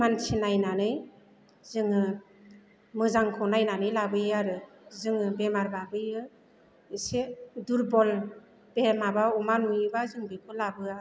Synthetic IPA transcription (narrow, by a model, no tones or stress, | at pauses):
mansʰinajnanɯj | zɯŋɯ | mɯzaŋkʰɔnajnanɯjlabɯjaɾɯzɯŋɯbemaɾbabɯjɯ | ɯseduɾbɔl | b̥emabaumanujɯbazɯŋbepʰɯlabɯa